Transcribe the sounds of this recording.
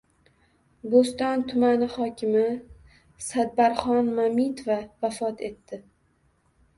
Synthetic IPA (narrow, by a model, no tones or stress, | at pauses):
bost̪ɒnt̪ʰʊmanɪhɒkʲʰɪmɪ | sad̪̚baɾχɒnmamit̪ʰovavafɒt̪ʰe̞t̪ːɪ